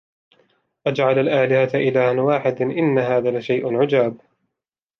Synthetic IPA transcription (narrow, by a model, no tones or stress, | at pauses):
ʔad͡ʒʕalalʔaːlɪhat̪ʔɪlaːhanwaːħɪd̪nʔɪnːaɦaːðaːlaʃajʔʊnʕʊd͡ʒaːb̚